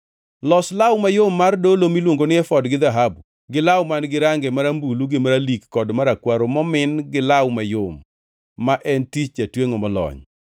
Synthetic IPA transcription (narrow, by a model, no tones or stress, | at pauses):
lɔslawmajomːardolomilwoŋɡonɪɛfɔdɡɪd̪aɦabu | ɡɪlawmanɡɪɾaŋɡɛmaɾambuluɡɪmaɾalikːɔdmaɾakwaɾomɔmɪnɡɪlawmajomː | aʔɛntit͡ʃatweŋɔmɔlɔ̰ɲ